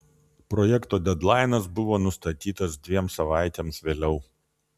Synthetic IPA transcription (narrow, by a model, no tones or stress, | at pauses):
pɾɔjɛkt̪oːd̪ʲɛd̪lˠɑɪnɐsbʊʋoːnʊst̪ɐt̪ʲiːt̪ɐsd̪ʲʋʲiɛmsɐʋɑˑɪt̪ʲeːmsʋʲeːlʲɛʊ